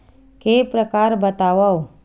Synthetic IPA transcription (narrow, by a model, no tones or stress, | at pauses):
keːpɾəkaːɾbət̪aːʋao